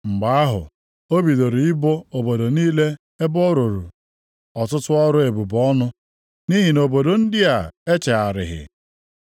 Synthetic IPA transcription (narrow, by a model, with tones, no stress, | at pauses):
ŋ͡m̩˨ɡ͡ba˨˦a˦ɦʊ̰˨ | o˦bi˨do˨ɾi˨ɪ˦bo˦o˨bo˨do˨niː˦le˦ | e˦bo˦ɾo˨ɾṵ˨ | ɔ˨tʊ˦tʊ˦ɔ˦ɾʊ˦e˨bu˨bɔ˦nʊ˦ | ni˦ɦi˨no˨bo˨do˨n̩˦dɪ˦a˨e˦t͡ʃe˨a˨ɾɪ̰˨ɦɪ̰˨